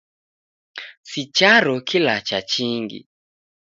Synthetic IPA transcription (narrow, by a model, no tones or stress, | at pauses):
sit͡ʃaɾɔkilat͡ʃat͡ʃiŋɡḭ